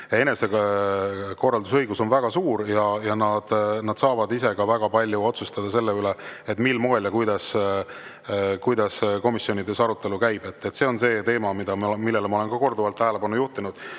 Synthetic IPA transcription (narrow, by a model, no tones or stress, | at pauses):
e̞ne̞se̞ | ko̞rːɑld̪usɤjɡuso̞nvæɡ̥ɑsuːɾjɑjɑnɑd̪̥nɑd̪̥sɑːvɑd̪ise̞ɡɑvæɡ̥ɑpɑlʲːjuo̞t̪sust̪ɑd̪̥ɑse̞lːeyleet̪ːˑmilmo̞ːelʲjɑkujd̪ɑs | kujd̪ɑsko̞misjo̞nid̪e̞sɑɾut̪ːˑe̞lukæjbe̞t̪ːˑet̪ːse̞o̞nse̞ːt̪e̞ːmɑmid̪̥ɑmmilːe̞lemɑo̞le̞nkɑko̞rd̪uvɑlt̪ːæɦæle̞bɑnujuht̪inud̪̥